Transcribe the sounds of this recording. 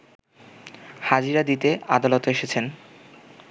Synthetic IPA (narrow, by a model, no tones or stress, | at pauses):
had͡ʑiɾad̪it̪ead̪alot̪oeʃet͡ɕʰen